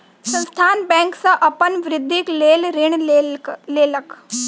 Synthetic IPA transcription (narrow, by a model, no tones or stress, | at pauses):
sə̃nst̪ʰaːnbɛ̃ːŋksɐʔɐpənʋɾɪd̪ʱːikleːlɾɪɳ | leːlək